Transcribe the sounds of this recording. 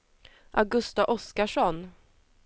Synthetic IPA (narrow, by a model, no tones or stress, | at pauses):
ʔaɡɵst̪aʔɔskaʂɔn